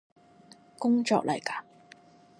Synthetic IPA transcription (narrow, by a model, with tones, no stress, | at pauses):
kʊ˥ŋt͡ʃɔː˧k̚lɐ̰˨˩jkaː˧